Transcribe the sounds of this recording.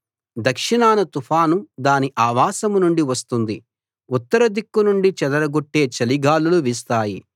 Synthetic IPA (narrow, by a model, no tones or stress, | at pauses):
d̪ɐkʂiɳaːnɐt̪upʰaːnud̪aːniʔaːʋaːsɐmnuɳɖiʋɐst̪und̪i | ut̪ːɐɾɐd̪ikːunuɳɖit͡ʃɛd̪ɐɾɐɡoʈːe̞ːt͡ʃɐliɡaːluluʋiːst̪aːji